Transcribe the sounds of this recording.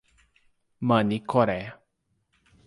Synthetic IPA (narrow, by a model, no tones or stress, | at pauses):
mənikʰoɾea